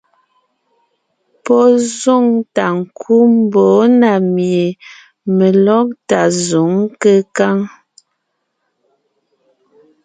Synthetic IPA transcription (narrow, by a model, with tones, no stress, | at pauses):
pɔ˦zu˦˨ŋta˨ŋ̩˨kʰu˦m˦bɔ˨˦na˨mje˨ | mə˨lɔ˦k̚ta˨zu˨˦ŋkə˦ka˦˨ŋ